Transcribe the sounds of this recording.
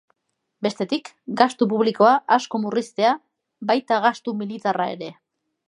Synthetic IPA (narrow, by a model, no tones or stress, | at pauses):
be̞st̪e̞t̪ik | ɡast̪up̬uβ̞liko̞aʔasko̞murist̪e̞a | bajt̪aɣast̪umilit̪arae̞̰ɾe̞